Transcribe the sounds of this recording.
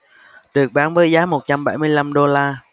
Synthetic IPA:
ɗɨ˨˩ək̚ɓaː˨˦nvəː˨˦jzaː˨˦mo˨˩t̚t͡ɕa˧mɓa˧˩jmɨ˧əjla˧mɗo˧laː˧

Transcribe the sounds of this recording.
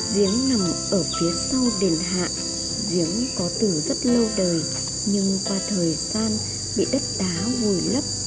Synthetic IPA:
zi˨˦əŋna˨˩mʔəː˧˩fi˨˦əsa˧wɗe˨˩nɦa̰ː˧˨ʔ | zi˨˦əŋkɔ˨˦t̪ɨ˧˩zə˦˥t̚lə˧wɗəː˨˩j | ɲɨ˧ŋkwaː˨˩t̪ʰəː˨˩jzaː˧n | ɓḭ˧˨ɗə˦˥t̚ɗaː˨˦vu˨˩jlə˦˥p̚

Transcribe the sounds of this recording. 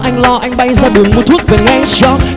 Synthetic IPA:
ʔa˧jŋ̟lɔ˧ʔa˧jŋ̟ɓa˧jzaː˧ɗɨ˨˩əŋmo˨˩t̪ʰu˦˥k̚vaː˨˩ŋɛ˧ŋt͡ɕɔ˧

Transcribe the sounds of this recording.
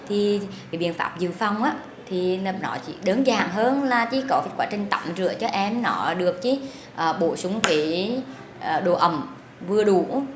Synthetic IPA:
t̪ʰi˨˩ | a˨˩˦ɓḭ˧˨ənfa̰ː˧˥p̚zɨ˨fa˧wŋ͡mʔaː˧˦˥ | t̪ʰi˨˩n˧nɔ̰˧˩t͡ɕḭ˧˦ɗə˨˦nzaː˨˩ŋɦəː˧nlaː˨˩t͡ɕi˧˦kɔ˨˦fkwaː˧˦t͡ɕï˨˩ŋ̟t̪aː˧˩˦mzɨ̰˧˨ət͡ɕɔ˧ʔɛ˧mnɔ˧˩˦ɗɨ˨˩ək̚t͡ɕi˧˦ | ʔəː˨˩ɓo˧˩˦sʊ˨˦ŋ͡mke˧˦ | əː˨˩ɗo˧˩ʔə˨˩wŋ͡m | vɨ˧əɗu˧˦

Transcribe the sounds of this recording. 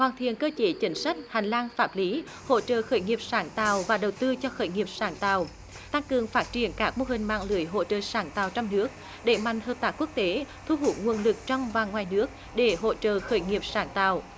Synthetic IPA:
hwaː˨˩nt̪ʰḭ˧˨ənkəː˧t͡ɕe˨˦t͡ɕï˨˦ŋ̟sa˦˥jk̟̚ha˨˩ŋ̟laː˧ŋfaː˦˥t̚li˨˦ | ho̰˧˥t͡ɕə̰ː˧˨xəː˧˩jŋi˨˩əp̚saː˨˦ŋt̪a̰ː˨wvaː˨˩ɗə˨˩wt̪ɨ˧t͡ɕɔ˧xəː˧˩jŋi˨˩əp̚saː˧˩nt̪a̰ː˧˨w | t̪a˧ŋkɨ˨˩əŋfaː˦˥t̚t͡ɕi˨˧˩ənkaː˦˥k̚mo˧ɦï˨˩ŋ̟ma̰ː˧˨ŋlɨ˧˩əjɦo̰˧˨t͡ɕə̰ː˧˨saː˧˩˦nt̪aː˨wt͡ɕɔ˧wŋ͡mnɨ˦˥ək̚ | ɗe˧˩ma̰˧˨jŋ̟həː˨˩p̚t̪aː˦˥ku˦˥ək̚t̪e˨˦t̪ʰu˧ɦu˨˥t̚ŋwu˨˩ənlɨ˨˩k̚t͡ɕɔ˧wŋ͡mvaː˨˩ŋwaː˨˩jnɨ˦˥ək̚ | ɗe˧˩ɦo̰˧˨t͡ɕə̰ː˧˨xəː˧˩˦jŋi˨˩əp̚saː˧˩ŋt̪a̰ː˧˨w

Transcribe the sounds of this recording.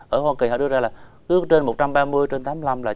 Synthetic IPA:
ʔəː˧˩hwaː˧ki˨˩hɔ̰˧˨ɗɨ˧ə˧zaː˧laː˨˩kɨ˨˦ək̚t͡ɕe˧nmo˨˩t̚t͡ɕa˧mɓaː˧mɨ˧əjt͡ɕe˧nt̪aː˨˦m˧la˧mlaː˨˩

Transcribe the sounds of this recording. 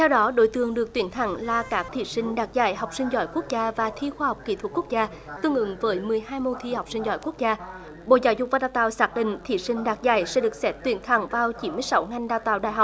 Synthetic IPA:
t̪ʰɛ˧wɗɔ˨˦ɗo˨˦jt̪ɨ˨˩əŋɗɨ˨˩ək̚t̪wi˨˦ənt̪ʰa˧˩ŋlaː˨˩kaː˦˥k̚t̪ʰḭ˧˨˩sï˧ŋ̟ɗaː˨˩k̚za̰ː˧˩jɦa˨˩wk͡p̚sï˧ŋ̟zɔ̰˧˨˦jku˦˥ək̚zaː˧vaː˨˩t̪ʰi˧xwaː˧ha˨˩wk͡p̚ki˧˩t̪ʰwt̚ku˦˥k̚zaː˧ | t̪ɨ˧əŋʔɨ̰˧˥˦ŋvəː˨˦jmɨ˨˩əjhaː˧jmo˧t̪ʰi˧ha˨˩wk͡p̚sï˧ŋ̟zɔ̰˧˩jku˦˥ək̚zaː˧ | ɓo̰˧˨zaː˨˦wzʊ˨˩k͡p̚vaː˨˩ɗaː˧˩wt̪aː˧˨˩wsaː˦˥k̚ɗḭ̈˧˨ŋ̟t̪ʰi˧˨˩sï˧ŋ̟ɗaː˨˩k̚za̰ː˧˩jsɛ̰˧˥ɗɨ˨˩ək̚sɛ˦˥t̚t̪wi˨˧˩ənt̪ʰa˨˧˩ŋvaː˨˩wt͡ɕi˨˦nmɨ˧əjsa˨˦wŋa˧jŋ̟ɗaː˧˩wt̪a̰ː˧˨wɗa̰ː˧˨jɦa˨˩k͡p̚

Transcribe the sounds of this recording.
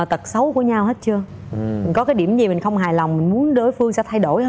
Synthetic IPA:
t̪ə˨˩t̚sə˨˦wku˧˩əɲa˧whe˦˥t̚t͡ɕɨ˧ə | mï˨˩ŋ̟kɔ˨˦kaː˨˦jɗi˧˩əmzi˨˩mï˨˩ŋ̟xə˧wŋ͡mɦaː˨˩jla˨˩wŋ͡mmï˨˩ŋ̟mu˨˦ənɗo˨˦jfɨ˧əŋsɛ̰˧˥t̪ʰa˧jɗo˧˩jh

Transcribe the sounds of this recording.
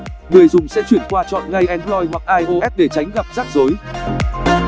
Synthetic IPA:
ŋɨ˨˩əjzʊ˨˩ŋ͡msɛ̰˧˥t͡ɕwi˧˩ənkwaː˧t͡ɕɔ̰˧˨nŋa˧jʔɛ˧˦nplɔ˧jɦwa˨˩k̚ʔaː˧jʔo˧ʔɛ˦˥p̚ɗe˧˩t͡ɕa˨˦jŋ̟ɣa˨˩p̚z̥aː˦˥k̚zo˨˦j

